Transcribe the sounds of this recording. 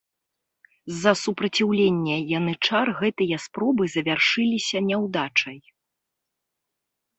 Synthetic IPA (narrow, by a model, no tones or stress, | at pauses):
zːɐsupɾɐt͡sʲiwlʲenʲːɛjanɨt͡ʂarɣɛt̪ɨjɐspɾɔbɨzɐvʲarʂɨlʲisʲɐnʲɛwd̪at͡ʂɐj